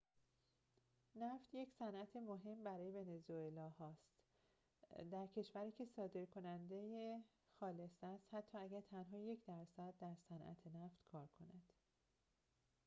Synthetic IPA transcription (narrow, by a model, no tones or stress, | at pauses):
næft̪je̞csænʔæt̪ʰemoɦe̞mbæɾɒːje̞ve̞ne̞zoelɒːhɒːst̪ | d̪æɾcʰe̞ʃvæɾiːcʰe̞sɒːd̪e̞ɾkʰo̞nænd̪eje | xɒːle̞sæst̪hæt̪ʰːɒːæɡæɾt̪ʰænɦɒːje̞cʰd̪æɾsæd̪̚ːæɾsænʔæ̰t̪ʰenæft̪kʰɒːɾkʰo̞næd̪̥